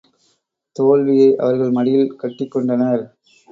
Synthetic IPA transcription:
t̪oːlʋɪjɐɪʔɐ̰ʋɐɾɣɐɭmɐɽɪjɪlkɐʈːɪkːɔɳɖɐnɐɾ

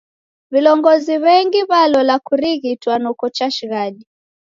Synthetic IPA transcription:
vilɔŋɡɔziβɛŋɡiβalɔlakuɾiɣitwanɔkɔt͡ʃaʃiɣaɗi

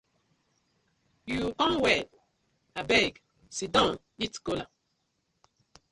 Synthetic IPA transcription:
jukɔ̃nwɛd̚ | abɛɡ | sidɔ̃n | itkola

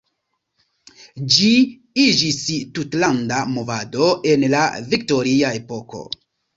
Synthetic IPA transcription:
d͡ʒi | id͡ʒistutlandamo̞vado̞e̞nla̰vik̚to̞ɾiae̞po̞ko̞̰

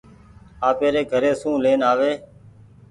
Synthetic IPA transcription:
aːpeːɾeːɡʱəɾeːsũːleːnaːʋeː

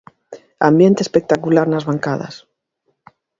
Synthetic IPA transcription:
a̰mbje̞nt̪espek̚t̪akulaɾnazβaŋkað̞a̰s

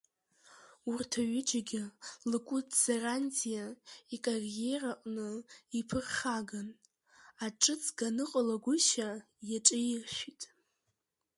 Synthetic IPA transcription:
urtʰaɥɪd͡ʒaɡʲɪlɨkʷʼʊdʰz̥erantʰʼijaikʼarje̞raqʼnɨipʰɨrχaɡan | aʈ͡ʂʼɨt͡sʰʼɡanɨqʼalaɡʷʊʃa | jaʈ͡ʂʼɪjɪrʃʷᶣitʼ

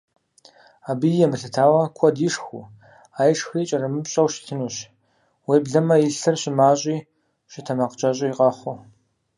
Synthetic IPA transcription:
aːbijɛmɨɬɨtʰaːwɐkʷʰɔdiːʂxṵ | aːjʂxiːt͡ʃʼɐrɐmɨpɕʼɐwʃɪ̥tʰɨnuːɕ | weːbɮɐmɐjɪɬɨrɕɪmaːɕʼiː | ɕʼɪtʰɐmaqət͡ʃʼɐɕʼɪjiqʼɑχʷʊ

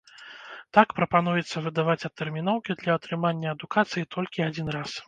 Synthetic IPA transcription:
t̪akpɾɐpanujɛt̪sːɐvɨd̪avat͡sʲɐt̪ːɛrmʲin̪ɔwkʲid̪lʲɐːt̪ɾɨmanʲːɐɐd̪ukat̪sɨjit̪ʰɔlʲkʲiad͡zʲin̪ɾas

